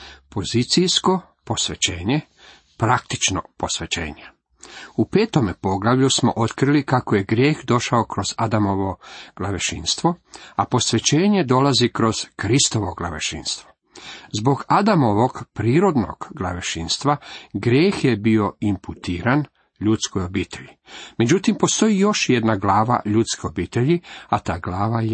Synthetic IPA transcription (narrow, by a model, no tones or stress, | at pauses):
po̞zit̪sijsko̞ | po̞sʋe̞t͡ɕeːɲe | pɾak̚t̪i̥t͡ʃno̰po̞sʋet͡ɕḛːɲe | upeːt̪o̞mepo̞ɡlˠaʋʎusmo̞̰ʔo̞t̪kɾilikakojeɡɾje̞ːxd̪o̞ʃaokɾo̞zad̪amo̞ʋo̞ɡ̥laʋeʃḭnst̪ʋo̞apo̞sʋe̞t͡ɕeːɲe̞d̪o̞lazikɾo̞z̥kɾist̪o̞ʋoɡlˠa̰ʋeʃḭnst̪ʋo̞̥ | zbo̞ɡad̪amo̞ʋo̞ɡpɾiːɾo̞d̪no̰ɡɡlˠaʋeʃinst̪ʋaɡɾjeːxjebio̞imput̪iːɾan | ʎuːt̪skojo̞biːt̪ʰe̞ʎime̞d͡ʑut̪impo̞st̪o̞ijo̞ʃjed̪naɡlaːʋa̰ʎut̪skio̞biːt̪e̞ʎiat̪aːɡlaːʋaj